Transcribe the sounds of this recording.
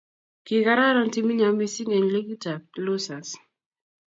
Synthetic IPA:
ki˨ka˦ɾa˦ɾɔ˦nti˦mi˦ɲa˨mi˦si˦ŋɛ˨nle˦ɡi˦ta˨lo˦sa˨s

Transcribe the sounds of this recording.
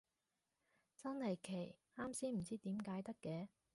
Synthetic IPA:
t͡sɐ˥nhɐ˨jkʰe˨˩j | aː˥msiː˥m̩˨˩t͡siː˥t̪iː˨˥mkaː˨˥jt̪ɐ˥kːɛː˨˧

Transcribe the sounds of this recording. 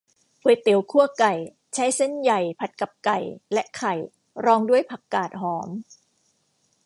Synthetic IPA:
pʰɤː˨˦jt̪i˨˩˦wkʰu˥˩ɐka˨˩j | t͡ɕʰa˦˥jse˥˩nja˨˩jpʰa˨˩t̪̚ka˨˩p̚ka˨˩jlɛ˦˥ʔkʰa˨˩j | ɾɔː˧ŋdu˥˩əjpʰa˨˩kːaː˨˩t̪̚ɦɔː˩˦m

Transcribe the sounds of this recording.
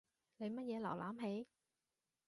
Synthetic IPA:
le˨˧jmɐ˦˥t̚jɛː˨˧la̰˨˩wlʔa̰ː˨˥˦mɦe˨˥j

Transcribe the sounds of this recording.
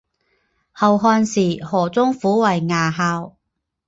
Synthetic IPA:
hɐ˨wɦɔː˧nsiː˨˩hɔː˨˩t͡sʊ˥ŋfuː˨˥wɐ˨jŋaː˨˩ɦaː˧w

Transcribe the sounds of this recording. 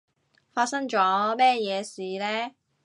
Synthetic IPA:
faː˧t̚sɐ˥ŋt͡ʃɔː˨˥mɛː˥jɛː˨˧siː˨lɛː˥

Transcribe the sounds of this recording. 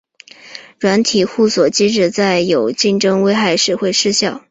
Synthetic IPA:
ɻwa˧˥nt̪ʰi˨˩xu˥˩swɔ˨˩t͡ɕi˥ʈ͡ʂɻ̩˥˧t͡sa˥˩ɪjo˨˩ʊt͡ɕi˥˩nʈ͡ʂɤ˥ŋwe˥ɪxa˥˧ɪʂɻ̩˥˧xwe˥˧ɪʂɻ̩˥˧ɕjɑ˥˩ʊ

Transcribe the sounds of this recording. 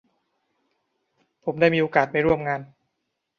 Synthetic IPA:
pʰo˩˦mdaː˥˩jmiː˧ʔoː˧kaː˨˩t̪̚pa˧jɾu˥˩əmŋaː˧n

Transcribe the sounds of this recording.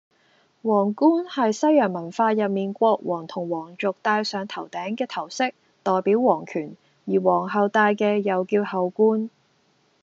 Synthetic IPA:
wɔː˨˩ŋkuː˥nhɐ˨jsɐ˥jœː˨˩ŋmɐ˨˩nfaː˧jɐ˨t̚miː˨nkʷɔː˧k̚wɔː˨˩ŋt̪ʰʊ˨˩ŋwɔː˨˩ŋt͡ʃʊ˨k̚t̪aː˧jsœː˨˧ŋt̪ʰɐ˨˩wt̪ɛː˨˥ŋkɛː˧t̪ʰɐ˨˩wsɪ˥k̚ | t̪ɔː˨jpiː˨˥wwɔː˨˩ŋkʰyː˨˩n | jiː˨˩wɔː˨˩ŋɦɐ˨˧wt̪aː˧jkɛː˧jɐ˨wkiː˧whɐ˨wkuː˥n

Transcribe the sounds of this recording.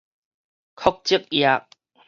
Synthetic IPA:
kʰɔ˦k̚t͡ɕi˦˥˦k̚ja˧k̚

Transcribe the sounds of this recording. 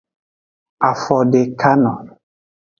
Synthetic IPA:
a˨fɔ˨de˨kʰa˦nɔ̰˨n

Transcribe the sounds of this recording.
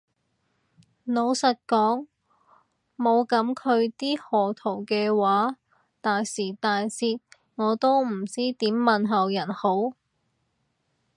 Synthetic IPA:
no˨˧wsɐ˨t̚kɔː˨˥ŋ | mo˨˧wkɐ˨˥mkʰɵ˨˧ɥt̪iː˥hɔː˨t̪ʰo˨˩wkɛː˧waː˨˥ | t̪aː˨jsiː˨˩t̪aː˨jsiː˧t̚ | ŋɔː˨˧t̪o˥wm̩˨˩t͡siː˥t̪iː˨˥mːɐ˨nɦɐ˨wjɐ˨˩nho˨˥w

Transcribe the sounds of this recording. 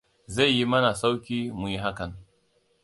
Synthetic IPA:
za˦˨jːi˦mɐ˦na˨sa˦wkʲiː˦mu˨ji˦ɦa˦ka˨n

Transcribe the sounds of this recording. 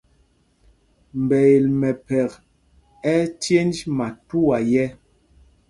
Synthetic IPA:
m˨bɛ˨e˨lmɛ˨pɛ˨k | ɛ˦tje˦ndma˨tu˦wa˨jɛ˦

